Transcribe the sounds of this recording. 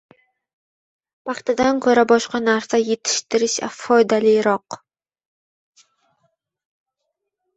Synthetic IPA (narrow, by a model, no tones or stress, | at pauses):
paχt̪ʰad̪ankʲʰɵɾɐbɔʃqɑnaɾsɐjet̪ʰɪ̥ʃt̪ʰɨɾɨʃa̰fojd̪alijɾɔq